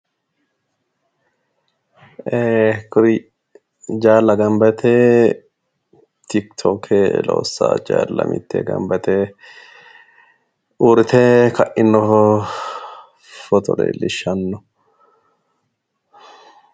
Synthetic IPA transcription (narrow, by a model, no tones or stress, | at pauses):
eːkʊɾi | d͡ʒaːlːɐɡɐmbɐt̪ʰeː | t̪ɪkt̪ʰokʰelo̰ːsːa̰ːd͡ʒaːlːɐmɪ̰t̪ːḛːɡɐ̰mbɐt̪e | uːɾɪt̪ʰeːkʰɐʔɪnːɔ | fɔt̪ɔ̰ɾḛːlːɪʃɐnːɔ